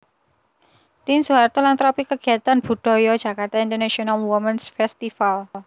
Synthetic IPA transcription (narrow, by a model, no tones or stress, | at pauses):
t̪insuart̪ulant̪ɾɔpikəɡ̥i̤at̪anb̥ṳɖ̥ɔ̤jɔd̥a̤kart̪aint̪ərnasionalwɔmənsfɛst̪ifal